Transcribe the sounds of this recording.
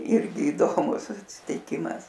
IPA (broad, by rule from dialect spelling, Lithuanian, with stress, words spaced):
ˈɪrʲɡʲɪ ɪˈdoːmʊs ɐtʲsʲɪtʲɪˈkʲɪmɐs